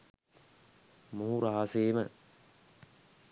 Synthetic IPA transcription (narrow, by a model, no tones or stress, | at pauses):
muːuɾaɦaseːmə